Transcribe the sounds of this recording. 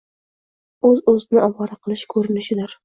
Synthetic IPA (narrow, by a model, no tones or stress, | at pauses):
ɵzɵzɪnɪʔɒwɑɾaqʰɨlˠɪʃkʰɵɾɪnɪʃɪd̪ɪɾ